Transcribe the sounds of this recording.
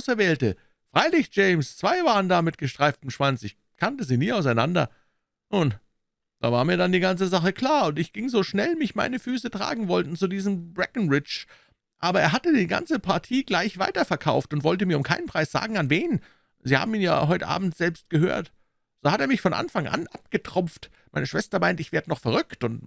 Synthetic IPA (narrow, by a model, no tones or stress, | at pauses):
ʊsɛɐvɛːltə | fʁ̥aɪlɪçd͡ʒ̥eɪmst͡sv̥aɪvaːʁəndaːmɪtɡ̥əʃtʁ̥aɪftəm̩ʃv̥ant͡sɪç | kʰantəziːniːaʊsaɪna̰ndɐ̰ | nuːn | d̥a̰ːva̰ːɐmiːɐdandiːɡant͡səzaχəkʰl̥aːɐʊntɪçɡ̥ɪŋzoːʃnɛlmɪçma̰ɪnəfyːsətʁ̥a̰ːɡŋ̩vɔltn̩t͡sudiːzəmbʁɛkn̩ʁɪt͡ʃ | ʔaːbɐʔeːɐɦatədiːɡa̰nt͡səpʰaɐtʰiːɡlaɪçv̥aɪtɐfɛɐkʰaʊftʊntv̥ɔltəmiːɐʊmkʰaɪnənpʁ̥aɪsz̥a̰ːɡŋ̩anveːn | ziːha̰ːbm̩iːnja̰ːɦɔʏtəʔa̰ːb̚m̩tz̥ɛlpst̚ɡ̥əhø̰ːɐt | z̥oːhateːɐmɪçfɔnʔa̰nfaŋʔa̰nʔap̚ɡ̥ətʁ̥ʊmft | maɪnəʃv̥ɛstɐmaɪntɪçv̥eːɐdənɔχfɛɐʁʏktʊnt